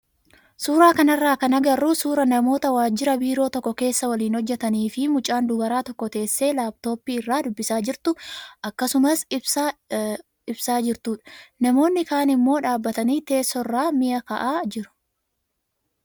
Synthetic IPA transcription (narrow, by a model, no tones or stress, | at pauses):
suːɾaːkɐnɐrːaːkɐnɐɡɐrːuːsuːɾɐnɐmo̞ːt̪ɐwaːd͡ʒːɪɾɐbiːɾo̞ːt̪ɔkːɔke̞ːsːɐwɐliːnhɔd͡ʒːɛt̪ɐniːfɪmʊt͡ʃʼːaːnd̪ʊbɐɾaːt̪ɔkːɔt̪e̞ːsːe̞ːlaːbt̪o̞ːpːiːɪrːaːd̪ʊbːɪsaːd͡ʒɪɾt̪ʊʔɐkːɐsʊmɐsɪ | ɪbsaːd͡ʒɪɾt̪uːᶑɐ̥nɐmo̞ːnːɪkaːnɪmːo̞ːᶑaːbːɐt̪ɐniːt̪e̞ːsːɔrːaːmɪjɐkɐʔaːd͡ʒɪɾʊ̥